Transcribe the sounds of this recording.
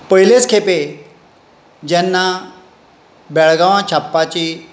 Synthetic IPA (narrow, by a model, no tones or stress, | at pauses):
pəɦilet͡skʰepe | d͡ʑɛnːa | bɛɭɡaʋãt͡ɕʰapːat͡ɕi